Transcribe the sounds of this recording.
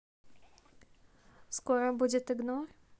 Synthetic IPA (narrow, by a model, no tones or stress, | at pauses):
skɔɾɔbud͡ʑɛt̪ɘɡnɔɾ